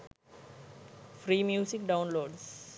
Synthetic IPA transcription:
fɾiːmjuːsɪk̚ɖãʊ̃nloːɖs

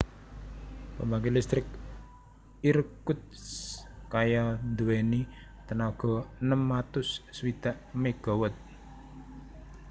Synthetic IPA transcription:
pəmbaɡelist̪ɾɪk̚ | iɾkʊt̪̚skajand̪uweni | t̪ənaɡ̥ɔ̤nəmːat̪ʊsːwid̪̥aʔmeɡ̥ɔ̤wət̪̚

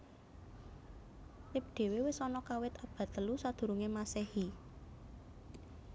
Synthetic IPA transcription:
lɪp̚d̪̥e̤wewɪsɔnɔkawɪt̪ab̥a̤t̪əlusad̪̥ṳɾuŋemasehi

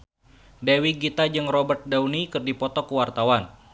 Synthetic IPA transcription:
dewiɡit̪ad͡ʒɨŋrɔbərt̪̚dawnikərdipɔt̪ɔkuwart̪awan

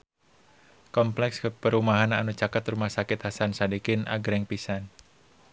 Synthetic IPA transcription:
kɔmplɛkskəpəɾumaɦananut͡ʃakat̪rumahsakɪt̪̚hasansadikɪnʔa̰ɡɾɛŋpisan

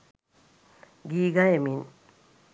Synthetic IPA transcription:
ɡiːɡajemin

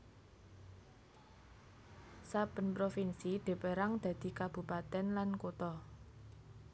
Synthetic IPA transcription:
sab̥ə̤npɾofinsiɖ̪̥e̤peɾaŋd̪̥ä̤d̪̥i̤kab̥ṳpat̪ɛnlankot̪ɔ

